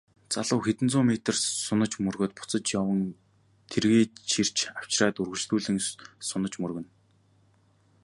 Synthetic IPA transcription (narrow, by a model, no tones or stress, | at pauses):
t͡saɮʊːxet̪ɘ̆nt͡sʊːmet̪ə̆rsʊnə̆t͡ɕmɵrɣoːt̪̚pʊ̥t͡sə̆t͡ɕjawə̆n | t̪ʰerɣeːt͡ɕir̥t͡ɕaw̥t͡ɕraːt̪ɵrɣɵ̆ɮt͡ɕɮuːɮɘ̆ŋsʊnə̆t͡ɕmɵrɣɵ̆n